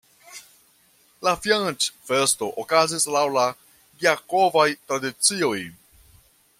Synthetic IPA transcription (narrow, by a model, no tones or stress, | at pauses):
lafjant͡ʃfesto̞ʔokazislawla | ɡiako̞vajtɾadit͡sio̞j